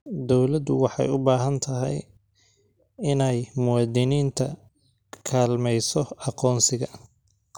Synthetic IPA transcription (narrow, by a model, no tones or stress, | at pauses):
d̪ɔwlɐd̪ʊwɑħɑ̰jʊbaːɦɐnt̪ʰɐɦɛ̰j | ɪnɛjmʊwɑːd̪ɪniːnt̪ʰɐ | kʰaːlmɛjsɔɑqɔːnsɪɣɐ